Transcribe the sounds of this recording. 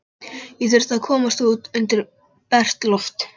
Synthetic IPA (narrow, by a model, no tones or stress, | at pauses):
iθʏɾ̥tθaðkʰɔːmast̪uːt̪ʏnt̪ɪɾ | pɛr̥t̪lɔft̪